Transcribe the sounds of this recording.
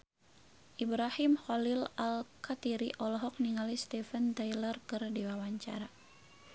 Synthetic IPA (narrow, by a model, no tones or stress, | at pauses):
ʔibɾahimxɔlilalkat̪iɾiʔɔlɔɦɔk̚niŋalist̪ifənt̪ajlərkɨrdiwawaɲt͡ʃa̰ɾa